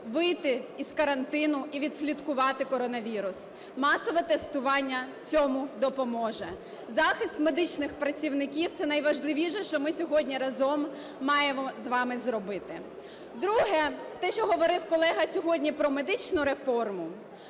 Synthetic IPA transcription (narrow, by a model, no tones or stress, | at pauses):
ʋɪjt̪ɪiskɐɾɐnt̪ɪnʊʔiʋʲid̪̥ʲsʲlʲid̪kʊʋɑt̪ɪkɔɾɔnɐʋʲiɾʊs | mɑsɔʋɛt̪ɛst̪ʊʋɑnʲːɐt͡sʲɔmʊd̪ɔpɔmɔʒɛ | zɑxɪst̪me̞d̪ɪt͡ʃnɪxpɾɐt͡sʲiwnɪkʲiwt̪sɛnɐjʋɐʒlˠɪʋʲiʃɛʃt͡ʃɔmɪsʲɔɦɔdʲnʲiɾɐzɔmː | ɑjɛzʋɑmɪzɾɔbɪt̪ɪ | d̪ɾuɦɛt̪ɛʃt͡ʃɔɦɔʋɔɾɪwkɔlˠɛɦɐsʲɔɦɔdʲnʲipɾɔme̞d̪ɪt͡ʃnʊɾe̞fɔrmʊ